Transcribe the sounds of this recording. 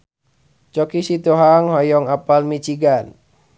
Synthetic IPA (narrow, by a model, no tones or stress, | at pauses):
t͡ʃɔkisit̪uɦaŋɦɔjɔŋapalmit͡ʃiɡan